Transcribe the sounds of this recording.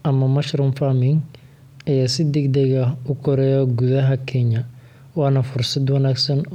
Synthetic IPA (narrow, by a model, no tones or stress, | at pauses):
ʔɐmɐmɐʃrʊmfamɪŋ | ɐjaːsɪd̪ɛɡd̪ɛɣɐʊkʰɔɾɛːjɔɡuðɐɦɐkʰɛɲɐ | wɑːnɐfʊrsɐd̪wɐnaːɡsɐn